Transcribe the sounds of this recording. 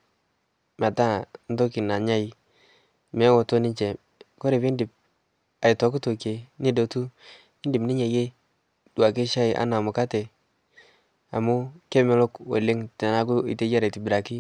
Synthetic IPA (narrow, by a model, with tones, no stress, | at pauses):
ma˨ta˦n̩˦to˦ki˨na˨ɲa˦i˨ | me˦wo˨to˦ni˦t͡ʃe˨ | ko˦ɾe˨pi˦ndɪ˨p̚ | a˨i˨tɔ˨˦k̬u˦to˨ke˨ni˦do˨tu˦ | i˦ndi˨bni˦ɲa˨je˦ | dwa˨ki˦ʃa˦ɪ˨˦ʔa̰˦na˨mʊ˨ka˦te˨ | a˨mu˦ke˦mɛ˦lo˦kwo̰˨le˦ŋte˨na˦ku˦ḭ˨te˦d͡ʒa˦ɾe˨ti˨bi˨ɾa˨ki˦